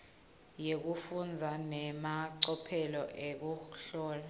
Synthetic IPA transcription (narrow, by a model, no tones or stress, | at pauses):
jek̬ufund͡zʱanɛmaǀɔpʰɛlɔʔek̬uɬɔːla